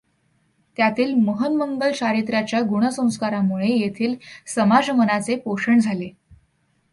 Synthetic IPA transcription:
t̪jat̪iːlməɦənməŋɡəlɕaɾit̪ɾjat͡ɕjaɡuɽ̃əsə̃w̃skaɾamuɭejet̪ʰiːlsəmad͡ʑmənat͡sepoʂəɳd͡zʱale

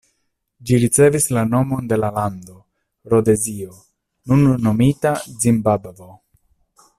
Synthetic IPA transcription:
d͡ʒiɾit͡se̞vislano̞mo̞nde̞lalando̞ | ɾo̞de̞zio̞ | nunːo̞mitazimbabvo

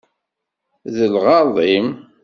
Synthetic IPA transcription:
ðəlʁɑðˤim

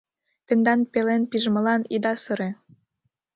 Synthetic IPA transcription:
t̪end̪ɑnpelenpiʒmɤ̆lɑnid̪ɑsɤ̆ɾe

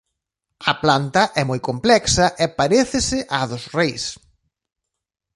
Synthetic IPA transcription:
ɐplant̪ɐʔɛmojkomplɛksɐʔɛpaɾeθɪsɪʔaðʊsrejs

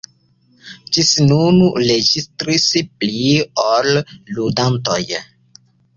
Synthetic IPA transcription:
d͡ʒisnunuɾed͡ʒistɾispliolːudantoj

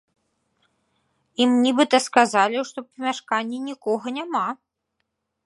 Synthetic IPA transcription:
imnʲibɨt̪ɐskazalʲiʂt̪ɔpɐmʲaʂkanʲːinʲikɔɣɐnʲama

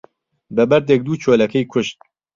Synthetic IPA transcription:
bɐbɐɾd̪ek̚d̪uːt͡ʃʰoːlɐkʰɐjkʷʰʊʃt̪̚

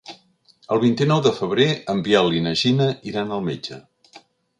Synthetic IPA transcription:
əlˠβint̪inɔwðəfəβ̞ɾeəmbialinəʒinəiɾanəlˠmed͡ʒə

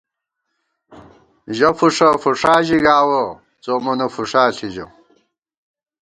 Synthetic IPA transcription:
ʑɐfuʂɐfuʂaːʑiɡaːwɐ | t͡somɐnɐfuʂaːɬʰiʑɐ̰

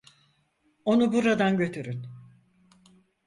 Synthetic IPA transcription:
o̞nubuɾad̪anɟø̞t̪ʰyɾyn

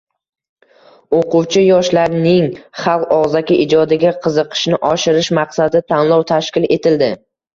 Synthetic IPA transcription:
oqʊwt͡ʃʰɪjɒʃlaɾnɪŋχɑlˠqɒʁzakʲɪʔɪd͡ʒɒd̪ɪɡʲaqʰɨzɨqʰɨ̥ʃnɪʔɒʃɪɾɪʃmaqsad̪ɪt̪ʰanlˠɒwt̪ʰaʃkʲɪle̞t̪ʰɪld̪ɪ

